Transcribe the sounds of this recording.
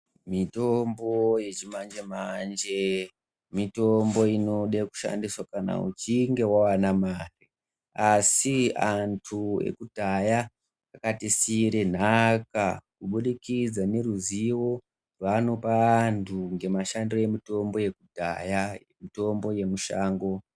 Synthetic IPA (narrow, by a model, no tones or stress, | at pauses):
mitomboje̞t͡ʃimand͡ʒemand͡ʒe | mitombo̞ino̞ɗeku̥ʃa̰ndiswakana̰ṵt͡ʃiŋɡe̞wawanamari | asiantʰuḛkudʱajaː | katisiɾe̞n̤akakuɓuɗikid͡zane̞ɾuziwo̞ | rwano̞pantʰuŋɡe̞maʃandirojemito̞mbo̞je̞kudʱa̰ja | mito̞mbo̞je̞muʃaːŋɡo̞